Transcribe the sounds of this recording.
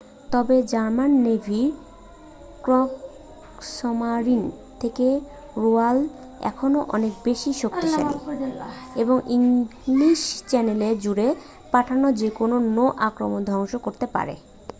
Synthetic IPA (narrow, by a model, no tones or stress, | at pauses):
t̪ɔbed͡ʑaɾmanːebʱiɾ | kɾɔk | sɔmaɾint̪ʰeke | ɾual | ɛ̰kʰonoʔɔnek̚beʃiʃoktiʃa̰i | eboŋiŋliʃt͡ɕɛneleɾd͡ʑuɾe | paʈʰanod͡ʑekononoʔakɾomond̪ʱɔŋʃokoɾt̪epa̰ɾḛ